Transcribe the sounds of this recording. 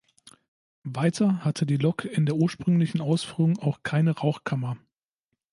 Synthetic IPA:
vaɪtʰɐhatʰədiːlɔkɪndeːɐʔuːɐʃpʁ̥ʏŋlɪçn̩aʊsfyːʁʊŋʔaʊxkʰaɪnəʁaʊxkʰamɐ

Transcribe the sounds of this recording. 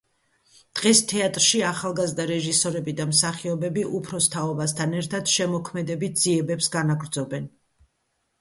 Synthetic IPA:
d̪̥ʁɛst̪ʰɛat̪ʼɾʃiaχalˠɡazd̪aɾɛʒisɔɾɛbid̪amsaχiɔbɛbiʔupʰɾɔst̪ʰaɔbast̪ʰanɛɾt̪ʰad̪̥ʃɛmɔkʰmɛd̪ɛbit̪̚ʰz̥iɛbɛpsɡanaɡɾd̪zɔbɛn

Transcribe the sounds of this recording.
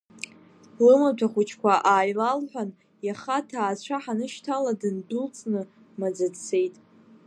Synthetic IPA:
lɨmatʷʰaχʷut͡ʃʰkʷaʔaːjlalħʷᶣan | jaχatʰaːt͡ɕʷʰaħanɨʃtʰaladɨndult͡sʼnɨ | mad͡zadt͡sʰe̞jtʼ

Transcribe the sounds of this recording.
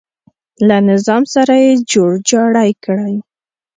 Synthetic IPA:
lanɪzɑmsaɾajed͡ʒoɽd͡ʒɑɽajkɽaj

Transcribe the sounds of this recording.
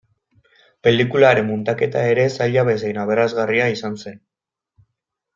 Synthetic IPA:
pe̞likulaɾe̞mːunt̪ake̞t̪ae̞ɾe̞saʎaβe̞sejnaβ̞e̞ɾazɣariaisanse̞n

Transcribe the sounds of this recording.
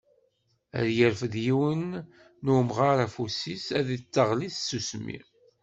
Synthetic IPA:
ə̰ɾjəɾfðjiwənː | umʁaɾæfusisæðit͡sːəʁliθsusmḭ

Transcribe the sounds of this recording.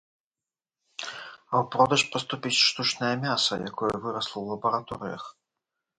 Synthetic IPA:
ɐwpɾɔd̪ɐʂpɐst̪upʲit͡sʲʂt̪ut͡ʂnɐjɐmʲasɐja̰kɔjɐvɨɾɐslˠɐwlˠɐbɐɾat̪ɔɾɨ̰jɐ̰x

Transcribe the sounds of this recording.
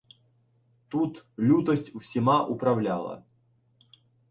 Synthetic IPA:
t̪ut̪lʲut̪əsʲtʲʊfsʲɪmaʔʊpɾɐvlʲalˠə̰

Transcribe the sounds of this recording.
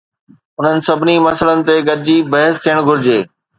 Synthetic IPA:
ʊn̤ənɪ̆sɐbʱɪnimɐsələnɪ̆t̪eɡɐɾɪd͡ʑibɐɦəst̪ʰijəɽ̃ɡʱʊɾɪd͡ʑeː

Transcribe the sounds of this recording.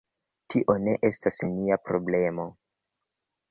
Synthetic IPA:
tiʔo̞ne̞ʔe̞stasemiapɾo̞ble̞mo̞

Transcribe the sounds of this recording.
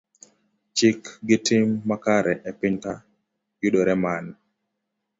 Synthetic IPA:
t͡ʃɪkɡɪtɪmːakaɾɛʔepɪɲta | jʊɗoɾɛman

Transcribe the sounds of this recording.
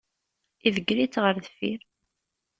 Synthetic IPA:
iðəɡɾit͡sːʁəɾðəfḭɾ

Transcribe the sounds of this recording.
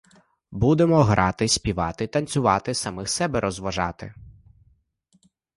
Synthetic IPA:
bud̪emɔɦɾʔɑt̪ɪsʲpʲiʋɑt̪ɪt̪ɐnʲt͡sʲʊʋɑt̪ɪsɐmɪxsɛbɛɾʔɔzʋɐʒɑ̰t̪ɪ̰

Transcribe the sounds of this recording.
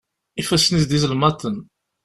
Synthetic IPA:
ifæsnizd̪izəlmæt̪ən

